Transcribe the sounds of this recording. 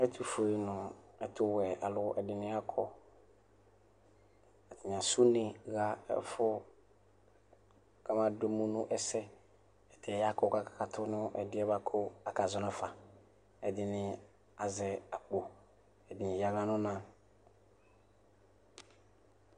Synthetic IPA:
ɛ˦tʰu˨fo˨e˨˦nʊ̃˨ɛ˨tʰʊ˦wɛ˨a˨lʊ˦ʔɛ˨dɪ˨nɪ̃˦a˦kʰɔ˦ | ɛ˨tɪ˨n˨a˨su˦nɪ̃˨ɣa˦ɛ̰˦fʊ˦ | ka˦mã˦do˦mũ˦nʊ̃˦ʔɛ˦sɛ˦ | ɛ˨tʰɛ˨ja˦kɔ˦ka˦kḁ˨ka˨tʰʊ˦nʊ̃˦ʔɛ˨dɪ˦ɛ˦ba˦kʰɔ˦a˨ka˨zɔ˨nã˨fa˨ | ɛ˨dɪ˨nɪ̃˦ | a˨zɛ˨a˨k͡po˨ | ɛ˨dɪ˨nɪ̃˨ja˦ɡla˦nʊ̃˦nã˦

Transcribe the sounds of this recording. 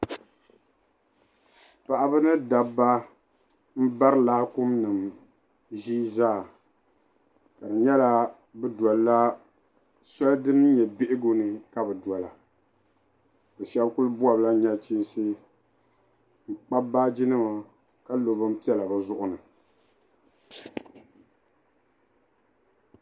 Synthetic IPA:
pa˨ʔa˨bɨ˦nɨ˦da˨bːa˦ | m̩˦ba˦ɾɨ˦laː˦kʊ˦mnɨ˨m | ʒiː˦zaː˦˨ | ka˨dɨ˨ɲɛ˦la˦ | bɨ˦dɔ˨lla˦ | sɔ˦ldɨ˦m˦ɲɛ˨be˦ʔɪ˦ɡo˦nɨ˨ka˦bɨ˨dwɔ˨la˨ | bɛ˨ʃɛ˦bku˦lbu˦a˨bla˦ɲɛ˦t͡ʃi˦nsɨ˦ | ŋ͡m̩˨k͡pa˦ba˦d͡ʒi˦nɨ˦ma˨ | ka˦lo˨bɨ˦m˦pi˦ɛ˦la˨bɛ˨zʊ˦ʔʊ˦nɨ˨

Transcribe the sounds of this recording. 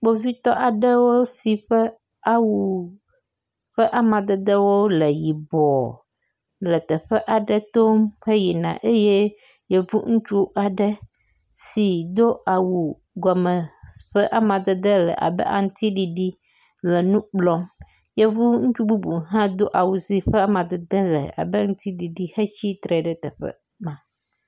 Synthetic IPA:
k͡po˦vi˦t̪ɔ˦ʔa˨ɖə˦wo˦si˨ɸə˦ | a˦wu˨ | ɸə˦ʔa˦mã˨d̪ɛ˨d̪ə˦wo˦lə˨ji˨bɔ˨ | lə˨t̪ə˨ɸə˦ʔa˨ɖə˦t̪o˦mɸə˦ji˨nã̰˨ʔe˦je˦ | je˨vu˦ŋũ˦t͡ʃu˦ʔa˨ɖə˦ | si˨d̪o˦a˨wu˨ | ɡɔ˨mə˨ɸə˦ʔa˦mã˨d̪ə˨d̪ə˦lə̰˨ʔa̰˨bə̰˦ʔa̰˨ŋ̩˦t̪i˦ɖi˨ɖi˦ | lɛ˨nũ˦k͡plɔ˦m | je˦vu˦ŋ̩˦t͡ʃu˦bu˦bu˨ɦã˦d̪o˦ʔa˨wu˨zi˦ɸə˦a˦mã˨d̪ə˨d̪ə˦lə̰˨a̰˨bə˦ŋ̩˦t̪i˦ɖi˨ɖi˦he˦t͡ʃi˦t̪ɾe˨ɖə˨t̪ə˨ɸə̰˦ | mã˨

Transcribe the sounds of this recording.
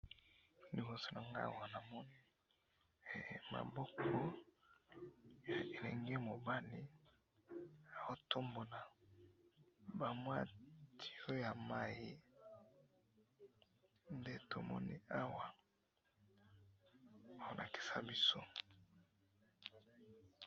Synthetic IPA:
ni˨bo˨so˦na˨ŋɡa̰˦˨wa˨na˨mɔ˦ni˦˨ | ma̰˨bɔ˦kʰɔ˦ | ja˨e˨le˨ŋɡe˦mo˨ba˦li˦ | a˨wo˦tʰo˦mbo˨na˨ | ba˨mwa˦tʰi̥˦o˦ja˨ma˦ji˦ | nde˦to̰˨mɔ̰˦nḭ˦a˦wa˨ | a˦o˦˨nʔa̰˨ki̥˨sa̰˦bi˦so̰˦

